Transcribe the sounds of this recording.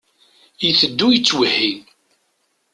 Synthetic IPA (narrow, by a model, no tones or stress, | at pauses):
jiθəd̪ːujət͡sːwəhin